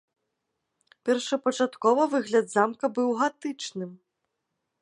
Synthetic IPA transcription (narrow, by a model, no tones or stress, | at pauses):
pʲɛrʂɐpɐt͡ʂat̪kɔvɐvɨɣlʲɐd̪zamkɐbɨwɣat̪ɨt͡ʂnɨm